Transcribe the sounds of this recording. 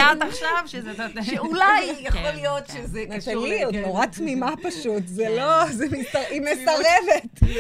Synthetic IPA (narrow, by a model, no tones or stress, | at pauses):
aaχʃavʃʃeulajjaχolijo̞tʃezɛnat̪aliot̪noʁat̪mimapaʃutzɛlozemisaimesɐʁevet